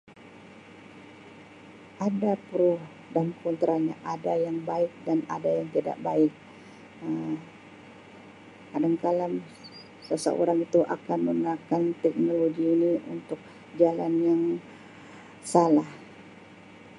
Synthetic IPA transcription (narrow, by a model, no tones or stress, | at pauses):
ʔadapəɾʊh | damkɔnt̪ɾʔaɲa̰ʔadajaŋbaɪk̚dana̰dajaŋt̪ida̰ʔbaɪk̚ | ə | kadaŋkalam | səsə̰ʔo̰ɾaŋit̪uʔa̰kanmənakant̪ɛk̚noloɡiːniʔṵnt̪ʊk̚ | d͡ʒalanjaŋ | salah